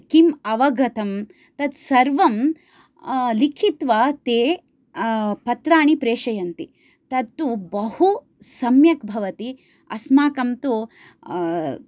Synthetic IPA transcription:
kimɐʋɐɡʱɐt̪ɐm | t̪ɐt̪sɐɾʋɐm | likʰit̪ʋat̪eː | pɐt̪ɾaːɳipɾeːʂɐjɐnt̪i | t̪ɐt̪ːubɐhu | sɐmjɐkbʱɐʋɐt̪i | ɐ̰smaːkɐmt̪u

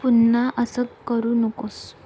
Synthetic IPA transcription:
punːaʔəsəkkːəɾuːnəkos

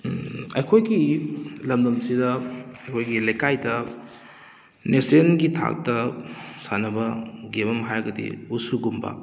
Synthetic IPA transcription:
ɐjkʰojɡilɐmdɐmsidɐɐjkʰojɡilɐjkajdɐ | nesenɡitʰa̰k̚tɐsanɐbɐɡebɐmɦajɡɐdḭusuɡumba̰

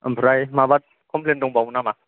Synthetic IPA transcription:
ə̰mpʰɾajmabat̚ | kʰɔmpʰlendɔŋbawnama

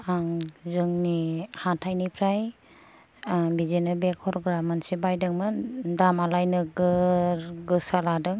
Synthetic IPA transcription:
aŋzɯŋnihantʰajnipʰɾaj | bizenɯbekʰɔɾɔɡɾamːansibajdɯŋmɯdamalajnɯɡɯɾɡɯsaladɯŋ

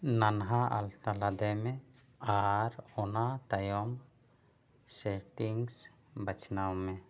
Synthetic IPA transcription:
nanɦaʔa̰lt̪alad̪ɛmɛ | aɾɔnat̪ajɔm | seʈiŋs | bət͡ʃnawme

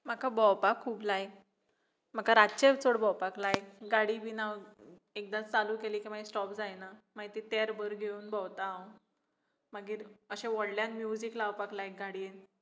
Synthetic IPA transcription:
makabɔwpakʰːuːblaj | m̤akaɾat͡ɕeʋt͡soɽbɔwpaklajɡaɽibʱinaʋ | ek̚d̪at͡saluːkeliːkim̤aisʈɔpd͡zajnamait̪it̪eɾbəɾɡʱeuːnbɔwt̪ao | maɡiːɾəɕeʋɔɽljãnmjud͡ziklaʋpaklaj̚ɡaɽien

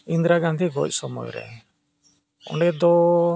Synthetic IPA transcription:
ind̪ɾaɡãnd̪iɡɔc̚ʼˀsɔmɔ̰jɾɛ̰ | ɔ̰ɳɖɛd̪ɔ

